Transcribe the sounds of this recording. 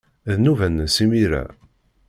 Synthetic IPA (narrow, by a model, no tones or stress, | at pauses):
ðnuvənːəsimiɾæ̰